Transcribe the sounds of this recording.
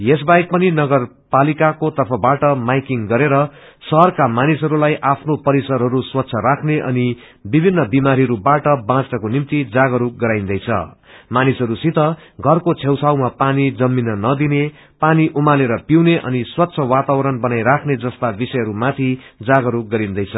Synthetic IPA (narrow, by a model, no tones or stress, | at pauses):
jes̬bajk̚pʌninʌɡʌr | palikakot̪ʌrpʰʌbaʈʌmajkiŋɡʌɾeɾʌ | sʌɦʌrkamanisɦʌɾulajʔapʰnopʌɾisʌɾɦʌɾuswʌt̪ːsʰʌɾakʰneʔʌ̰ni | bibʱinːʌbimaɾiɾubaʈʌbãt͡sʈʌkonimt̪id͡zaɡʌɾuɡʌɾaj̃nd̪ʌjt͡sʰʌ̰manisɦʌɾusit̪ʌɡʱʌrkot͡sʰewt͡sʰawmapanid͡zʌmːinʌnʌd̪ine | paniʔumaleɾʌpiwneʔʌ̰niswʌt̪ːsʰʌwat̪awʌɾʌnbʌnajɾakʰned͡zʌst̪abisʌjɦʌɾumat̪ʰi | d͡zaɡʌɾuɡʌɾind̪ʌjt͡sʰʌ